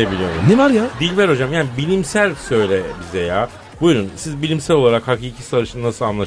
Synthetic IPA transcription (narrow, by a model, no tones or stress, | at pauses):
ebilʲijomunemaɾjad̪ilʲvæɾo̞d͡ʒamjaːnibilʲimsælʲsø̞jlʲɛbizɛjaː | bujɾunsizbilʲimsælʲo̞lˠaɾakhakʰicʰisaɾɯʃɯnɯnasɯlˠanlˠa